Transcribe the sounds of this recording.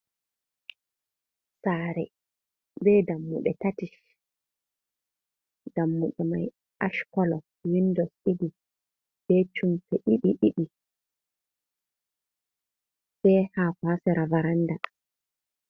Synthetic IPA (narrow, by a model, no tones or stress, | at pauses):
saɾɛ | bɛdamːuɓɛtatiʃ | damːuɓɛma̰j | ʔaʃkɔlɔ | windɔsidi | b̥ɛt͡ʃumtɛɗiɗiɗiɗi | sɛjhakasɛɾavaɾanːda